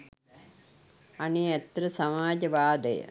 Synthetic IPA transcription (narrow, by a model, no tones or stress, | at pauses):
aneːɛt̪ɾəsamaːd͡ʒɐʋaːd̪əjə̰